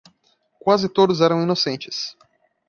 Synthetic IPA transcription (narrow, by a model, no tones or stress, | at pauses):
kwazɪt̪od̪ʊzɛɾɐ̃w̃inosẽnt͡ʃɪ̥s